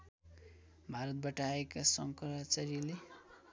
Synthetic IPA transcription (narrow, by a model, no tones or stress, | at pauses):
bʱaɾʌt̪̚baʈʌaekasʌŋkɾat͡sʌɾile